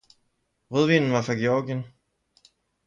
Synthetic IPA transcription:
ʁøð̞ˠʋḭnn̩ʋɑ̈fɑ̈ɡ̥eɒɡ̥jən

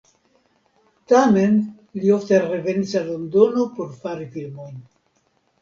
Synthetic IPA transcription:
tame̞n | lio̞fteɾe̞ve̞nisalondo̞no̞po̞ɾfaɾifilmo̞jn

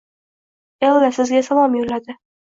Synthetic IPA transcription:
elːasɪzɡʲasavɒmjolad̪ɪ

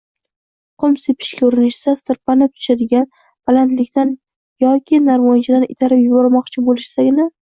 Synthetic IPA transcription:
qʰʊmsepʰɪ̥ʃkʲaʊɾɪnɪʃsast̪ɪɾpanɪt̪ʰʊ̥ʃad̪ɪɡʲan | balˠant̪lɪkʲt̪ʰan | jɒkʲʰɪnaɾmɒjt͡ʃʰad̪anɪt̪ʰaɾɪpjʊbɒɾmɒqt͡ʃʰɪbolɪʃsaɡʲna

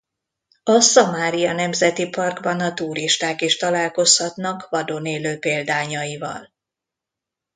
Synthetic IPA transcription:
ɒsɒmaːɾijɒnɛmzɛt̪ipɒrɡbɒnɒt̪uːɾiʃt̪aːkiʃt̪ɒlaːlko̞shɒt̪nɒkvɒd̪oneːløːpeːld̪aːɲɒjivɒ̰l

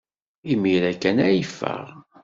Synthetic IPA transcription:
imiɾækːænæjfːə̰ʁ

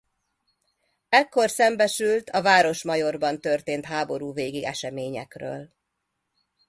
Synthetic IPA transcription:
ɛkːo̞rsɛmbɛʃylt̪ʰɒvaːɾo̞ʃmɒjo̞rbɒnt̪ørt̪eːnt̪ɦaːbo̞ɾuːveːɡiɡɛʃɛmeːɲɛ̰krø̰ːl

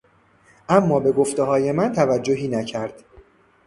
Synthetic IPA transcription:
ʔæmːɒːbe̞ɡo̞ft̪e̞ɦɒːje̞mænt̪ʰævæd͡ʒːoɦiːnæcʰæɾd̪̥

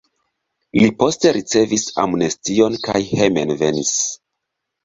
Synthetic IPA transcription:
lipo̞ste̞ɾit͡se̞visa̰mnestio̞nkajhe̞me̞nve̞nis

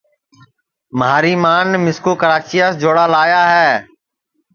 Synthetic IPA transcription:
məɦaːɾiːmaːnmɪskoːkəɾaːt͡ʃiːaːsd͡ʒoːɽaːlaːjaːɦɛː

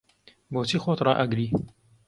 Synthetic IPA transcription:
boːt͡sʰiːxoːt̪rɑ̰ːʔɐɡɾiː

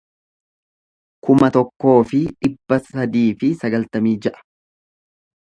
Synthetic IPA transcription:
kʊmɐt̪ɔkːo̞ːfɪᶑɪbːɐsɐd̪iːfɪsɐɡɐlt̪ɐmiːd͡ʒɛʔɐ̥

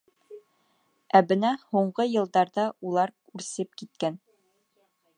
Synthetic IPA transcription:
æbɘ̆næhuɴɢɤjɤ̆lˠd̪ɑɾd̪ɑulˠɑɾkʉɾsɘpkit̪̚kæn

